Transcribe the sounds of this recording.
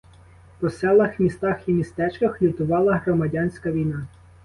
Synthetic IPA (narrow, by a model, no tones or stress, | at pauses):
pɔsɛlˠɐxmʲist̪ɑximʲist̪ɛt͡ʃkɐxlʲit̪ʊʋɑlˠɐɦɾɔmɐdʲɑnʲsʲkɐʋʲijnɑ